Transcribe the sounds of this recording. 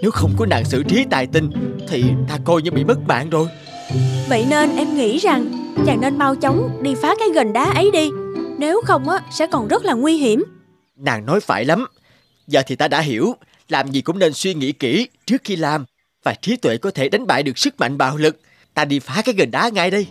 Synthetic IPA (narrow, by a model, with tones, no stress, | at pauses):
ne˨˦wxə˧wŋ͡mkɔ˨˦na̰ː˨˩ŋsɨ̰˧˨t͡ɕi˨˦t̪a̰ː˨˩jt̪ï˧˩ŋt̪ʰi˨˩t̪aː˧ko˧jɲɨ˧ɓḭ˧˨mə˦˥t̚ma̰ː˧˨ŋzo˧j | və̰˧˨jne˧nʔɛ˧mŋḭ˧˥za˨˩ŋt͡ɕaː˨˩ŋne˧nma˧wt͡ɕə˨˦wŋ͡mɗi˧faː˨˦kaː˨˦jɣə˨˩nɗaː˨˦ʔə˨˦jɗi˧ne˨˦wxə˧wŋ͡mʔaː˨˦sɛ̰˧˥kɔ˨˩nzə˦˥t̚laː˨˩ŋwi˧ɦi˧˩əm | na̰ː˨˩ŋnɔ˨˦jfa̰ː˧˩jla˨˦m | zəː˨˩t̪ʰi˨˩t̪aː˧ɗa̰ː˧˥ɦi˧˩əw | laː˨˩mzi˨˩kʊ̰˧˥ŋ͡mne˧nswi˧ŋḭ˧˥kḭ˧˩t͡ɕɨ˦˥əkxi˧laː˨˩m | vaː˨˩t͡ɕi˨˦t̪wḛ˧˨kɔ˨˦t̪ʰe˧˩ɗa˨˦jŋ̟ɓa̰ː˧˨jɗɨ˨˩əksɨ˦˥k̚ma̰˧˨jŋ̟ɓa̰ː˧˨wlɨ˨˩k̚ | t̪aː˧ɗi˧faː˨˦kaː˨˦jɣə˨˩nɗaː˨˦ŋa̰ː˧˨jɗə˧j